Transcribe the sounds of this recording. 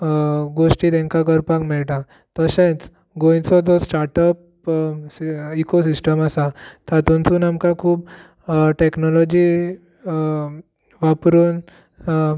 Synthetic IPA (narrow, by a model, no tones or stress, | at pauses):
ɡoʂʈit̪ɛ̃ŋkakəɾpakmɛɭʈa | t̪əɕẽt͡s | ɡojt͡sɔd͡zɔsʈaɾʈəp | iikosisʈəmasat̪ʰat̪unt͡suːnamkakʰuːb | ʈeknɔlɔd͡ʑi | ʋapɾuːn